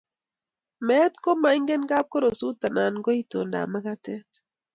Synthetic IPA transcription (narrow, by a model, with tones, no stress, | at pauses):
mɛ˦t̪ko˦ma˨i˦ŋɡe˦nɡa˦p̚ko˦ɾo˨su˦t̪a˨na˨nɡo˦i˦to˨nda̰˨ma˦ka˦tɛ˦t